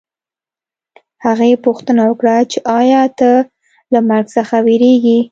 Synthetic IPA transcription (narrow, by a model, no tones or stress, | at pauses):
haɣepuxt̪ənawəkɽat͡ʃeʔɑjɑt̪ə | lamaɾɡsəxaweɾeɡi